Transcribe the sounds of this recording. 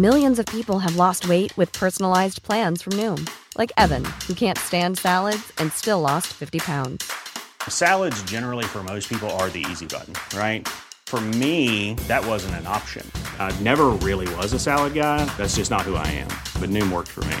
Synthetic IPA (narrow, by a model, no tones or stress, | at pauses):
mɪlˠjɨ̃nzʌv̥pipl̩ˠɨvlɔst̚weɪʔ̚wɨð̥pʰɜ˞sn̩l̩aɪzpʰl̥æ̃nz̥fɹʌ̃mnʉ̃mlʔaɪkɛvɨ̰̃nhukʰæ̃ntstæ̃nd̥sælˠədz̥ɨ̃nstɪlɔstfɪftipʰãʊ̃ndz̥sælˠədzd͡ʒɛnə˞l̩ˠifə˞moʊspʰipl̩ˠə˞ðḭḭzibʌ̰ʔn̩ɹaɪt̚ | fə˞miðɨt̚wʌzɨ̃n̩tɨ̃nɑ̰pʃɨ̰̃nnɛvə˞ɹɪlˠiwʌzɨsælˠəd̚ɡaɪðætsd̥ʒ̥ʌsnət̚hua̰ɪɨ̰̃mb̥ʌt̚ⁿnʉ̃mwɜ̰˞k̚sfə̰˞mḭ